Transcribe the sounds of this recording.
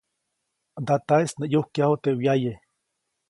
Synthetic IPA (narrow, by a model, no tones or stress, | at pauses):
d̪at̪aesnejohkjahot̪ewjaje